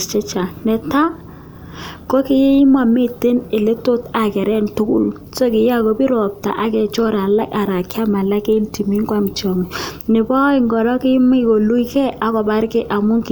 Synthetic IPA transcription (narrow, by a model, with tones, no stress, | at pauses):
t͡ʃɛ˦t͡ʃa˨nɛ˨ta˦ | ko˦kɪ˦je˦i˦ma˨me˦te˦ne˨le˦to˦ta˨kɛ˨ɾɛ˦ntʊ˦kṵ˦l | so˦kɪ˨ja˦ko˨bi˦ɾɔ˨p̚ta̰˨ʔa˦kɛ˨t͡ʃɔ˦ɾa˨la̰˦ka˨ɾa˨kja˦ma˨la˦ke˦i˦nti˨mi˦ŋkwa˦m˨t͡ʃɔ˨ŋe˨nɪ˨bɔ˦i˦ŋɡɔ˨lɔ˦kɪ˦m˦i˨ko˨lu˦i˦kɛ˦ʔa˨kɔ˨ba˦ɾkɪ˦ʔa˨mʊ˦ŋk